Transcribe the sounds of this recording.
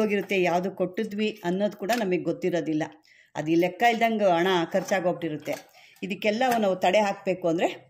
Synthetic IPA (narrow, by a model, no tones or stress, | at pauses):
oːɡiɾut̪ːe̞jaːʋd̪uko̞ʈːid̪ʋiɐnːo̞ːd̪ukuːɽɐnɐmɐɡeɡot̪ːiɾo̞ːd̪ilːɐ | ɐ̰d̪iːlɛkːɐild̪ɐŋɡɐɐɳɐkʰɐɾt͡ʃaːɡoːbʈiɾut̪ːe̞ | id̪ikːɛlːɐʋunaːʋut̪ɐɽeɦaːk̚be̞ːkuɐnd̪ɐɾe